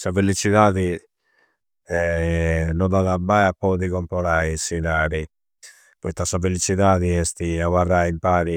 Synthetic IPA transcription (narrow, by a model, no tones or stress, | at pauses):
savelit͡ʃiðaːði | ɛ | nɔd̪aðabajapːɔðiɣɔmpɔɾaisinaːɾi | pɔjt̪asavelit͡ʃiðaːðiɛst̪iaɣwaraimpaːɾi